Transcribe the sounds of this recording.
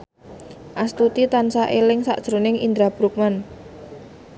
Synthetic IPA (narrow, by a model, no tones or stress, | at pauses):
ʔast̪ut̪it̪ansaʔelɪŋsa̰ʔd̥ʒ̥ɾo̤nɪŋḭnd̪ɾab̥ɾuk̚man